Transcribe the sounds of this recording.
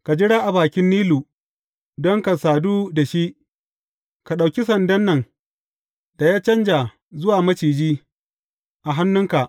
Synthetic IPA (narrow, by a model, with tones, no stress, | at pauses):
ka˨d͡ʒɪ˦ɽaː˦ʔa˨baː˨kʲɪ˦nːiː˦luː˨ | dɔ˦ŋka˨saː˨duː˦da˨ʃi˦ʔ | ka˨ɗa˨wkʲi˦sɐ˨ndɐ˦nːɐ˨ŋ | d̥a˨jaː˦t͡ʃɐ˦nd͡ʒa˨ | zʊ˦waː˨mɐ˦t͡ʃiː˨d͡ʒiː˦ | ʔa˨ɦa˦nːʊ˦ŋka˨ʔ